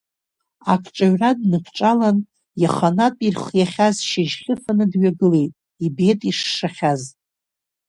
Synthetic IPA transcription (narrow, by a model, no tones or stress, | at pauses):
akʰʈ͡ʂʼaɥradnɨkʷʰʈ͡ʂʼalan | jaχanatʼirχjaχʲazʃɪʒχʲɪfanɨdɥaɡɨle̞jtʼ | ibetʼiʂːaχʲaz